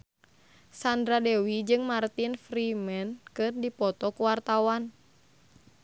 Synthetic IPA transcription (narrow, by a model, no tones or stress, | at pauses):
sandɾadɛwid͡ʒɨŋmart̪infɾimɛnkɨrdipɔt̪ɔkuwart̪awan